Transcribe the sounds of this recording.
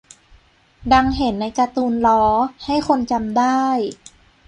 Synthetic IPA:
da˧ŋɦe˩˦nːa˧jka˧t̪uː˧nlɔː˦˥ha˥˩jkʰo˧nt͡ɕa˧mdaː˥˩j

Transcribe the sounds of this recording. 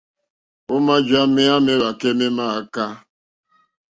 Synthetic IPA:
ʊ˦ma˦d͡ʒa˦mɪ˦a˦mɪ˦ɾa˨ke˦mɪ˦ma˦˨a˦ka˦

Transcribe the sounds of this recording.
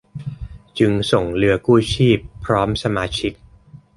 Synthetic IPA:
t͡ɕɯ˧ŋso˨˩ŋlɯ˧ɐkuː˥˩t͡ɕʰiː˥˩pʰːɾɔː˦˥msa˧maː˧t͡ɕʰi˦˥k̚

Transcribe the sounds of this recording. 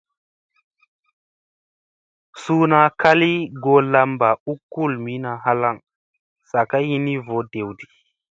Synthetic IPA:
su˦na˨kʰa˦li˦ɡo˨la˧mba˨u˦kːu˦˨lmi˦na˨ɦa˦la˦˨ŋ | sa˨ka˦ji˦ni˦vo˨˦de˨wdi˨

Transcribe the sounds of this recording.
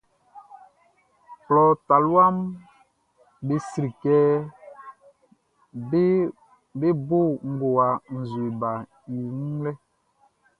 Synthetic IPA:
plɔ˨ta˨lwa˦m | be˨si˨ɾi˨kɛ˦ | be˦bo˦˨ŋ̩˦ɡo˨wa˨n̩˨zwe˨ba˨ | i˨ŋu˦lɛ˦

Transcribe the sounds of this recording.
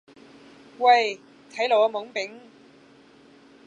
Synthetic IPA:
wɐ˧j | t̪ʰɐ˨˥jlo˨wɐ˧mʊ˨˥ŋpɪ˨˥ŋ

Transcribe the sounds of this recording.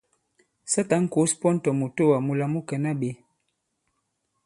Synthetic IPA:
sa˦ta˨˦ŋ̩˦ko˨˦spɔ˦n̩˦tɔ˨mu˨to˦wa˨mu˨la˨mu˦kɛ˨na˦ɓe˨˦

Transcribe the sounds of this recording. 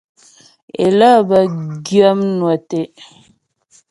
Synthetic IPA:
ḛ˨lə˦˨bə˨ɡjə˦mnwa˨te˨

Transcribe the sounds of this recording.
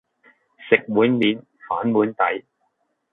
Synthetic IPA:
sɪ˨k̚muː˨˥nmiː˨˥n | faː˨˥nmuː˨˥nt̪ɐ˨˥j

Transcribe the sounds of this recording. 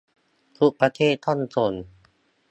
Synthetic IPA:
t̪ʰu˧˥ʔ̚pɾa˧t̪ʰeː˥˩t̪ʰːɔ˥˩˨nt͡so˧˩n

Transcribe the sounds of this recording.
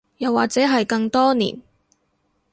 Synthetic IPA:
jɐ˨wːaː˨k̚t͡sɛː˨˥ɦɐ˨jkɐ˧ŋt̪ɔː˥nḭː˨˩n

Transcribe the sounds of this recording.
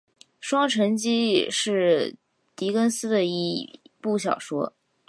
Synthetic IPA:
ʂwɑ˥ŋʈ͡ʂʰə˧˥ŋt͡ɕi˥ʂɻ̩˥˩ | t̪i˧˥kə˥nsɹ̩˥d̪ə˨i˥˩pu˥˩ɕ̬jɑ̰˨˩ʊʂwɔ˥

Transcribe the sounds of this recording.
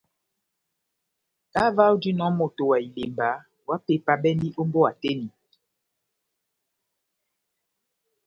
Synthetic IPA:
ka˦va˦wdi˦nɔ˨˦mo˨to˨wa˨i˨le˨mba˨˦ | wa˦pe˨˦˨pa˦ɓɛ˦ndi˦ʔo˦mbo˦a˨te˦ni˨

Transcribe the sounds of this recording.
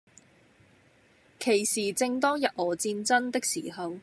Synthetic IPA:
kʰe˨˩jsiː˨t͡sɪ˧ŋt̪ɔː˥ŋjɐ˨t̚ɔː˨˩t͡siː˧nt͡sɐ˥nt̪ɪ˥k̚siː˨˩hɐ˨w

